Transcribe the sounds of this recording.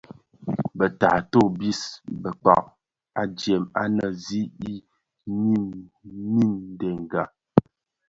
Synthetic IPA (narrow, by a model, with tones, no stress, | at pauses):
bə˨ta̰˨to˦˨bi˦sbə˨k͡pa̰˨ʔ̚ | a˨d͡ʒjɛ˨ma˦nə˨zi˦i˦ | ni˦˨mnːi˦n˦dɛ˨ŋ˨ɡa˨